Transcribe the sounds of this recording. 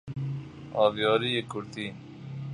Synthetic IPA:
ɑːvjɔːɾiekuɾt̪i

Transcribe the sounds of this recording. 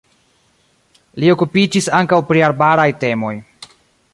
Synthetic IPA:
liokupid͡ʒisaŋkawpɾiaɾbaɾajte̞mo̞j

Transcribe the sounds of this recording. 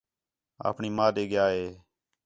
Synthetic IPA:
a̰ːpɳiːmaːɗeːɡɪjaːɦeː

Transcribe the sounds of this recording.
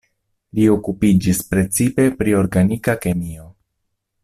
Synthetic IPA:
lio̞kupid͡ʒispɾe̞t͡sipe̞pɾio̞ɾɡanikake̞mio̞

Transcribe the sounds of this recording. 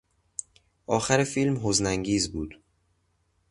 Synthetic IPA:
ʔɒːxæɾefilmɦoznæŋɟiːzbuːd̪̥

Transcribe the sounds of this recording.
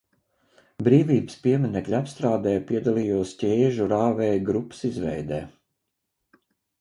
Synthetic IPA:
bɾiːvʲiːbɨspiɛmɛnɛklʲapst̪ɾaːd̪ɛːjpiɛd̪alˠiːjuɔscʲeːʒuɾaːvɛːɡɾupːə̥sizʋɛ̰jd̪ɛ̰ː

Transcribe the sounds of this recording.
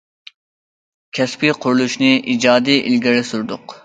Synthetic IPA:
kʲʰɛspiqʰʊɾulˠuʃnɨʔid͡ʒɑːd̪ijʔḭlɡʲɪɾɛsuɾd̪ʊq

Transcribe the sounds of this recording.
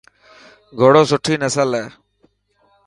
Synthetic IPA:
ɡʱoɽoːsʊʈʰːiːnəsəlɦɛː

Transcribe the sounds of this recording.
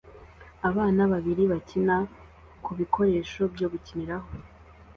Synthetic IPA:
aβaːnaβaβiɾiβacina | kuβikʰo̞ɾe̞ːʃo̞bɟo̞ːβuciniɾaho

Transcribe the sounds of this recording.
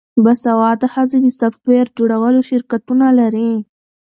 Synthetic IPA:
basawɑd̪ahazed̪əsaft̪weɾd͡ʒoɽawəloʃɪɾkat̪unalaɾi

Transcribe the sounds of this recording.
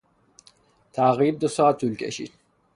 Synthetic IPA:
t̪ʰaːʁiːb̚d̪əsaːt̪ʰulkʼɛ̰ʃḭ

